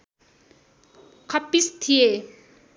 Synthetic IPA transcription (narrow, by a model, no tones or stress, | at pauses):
kʰʌpːist̪ʰije